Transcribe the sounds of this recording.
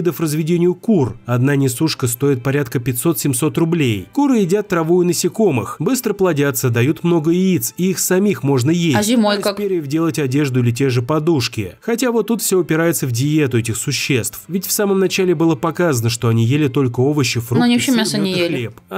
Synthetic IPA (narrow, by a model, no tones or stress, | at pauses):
d̪əfrəzvʲɪdʲenʲɪjʊkurɐd̪nanʲɪsuʂkəst̪o̞jɪt̪̚pɐɾʲat̪kəpʲɪtʲso̞t̪sʲɪmso̞t̪rʊblʲejkuɾɨɪdʲat̪ːɾɐvujʊnəsʲɪko̞mɨxbɨst̪ɾəplˠɐdʲat̪səd̪ɐjut̪mno̞ɡəit̪siixsɐmʲixmo̞ʐnəjesazʲɪmojkakpeɾʲɪvdʲelˠətʲɐdʲe̞ʐd̪ʊɪlʲɪt̬ʲeʐɨpɐd̪uʂkʲɪ̰xɐtʲavo̞t̪ːut̪fsʲoɐpʲɪɾajɪt̪səvdʲɪje̞t̪ʊɛtʲɪxsʊɕːe̞st̪fvʲɪtʲfsaməmnɐt͡ɕælʲɪbɨlˠəpɐkazənəʂt̪o̞ɐnʲijelʲɪt̪o̞lʲkəo̞vəɕːɪfnɐnʲiɕemʲasənʲɪjezlʲep